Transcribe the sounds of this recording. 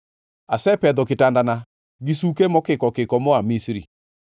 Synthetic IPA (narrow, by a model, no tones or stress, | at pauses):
asɛpɛðɔketandana | ɡisukemɔkekɔkekɔmoamisɾḭ